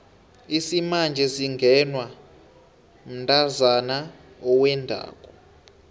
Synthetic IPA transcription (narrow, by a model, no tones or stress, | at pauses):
isimand͡ʒʱɛsiŋɡʱɛnwa | m̩ntʼazana | ɔwɛndʱa̰ːkʼɔ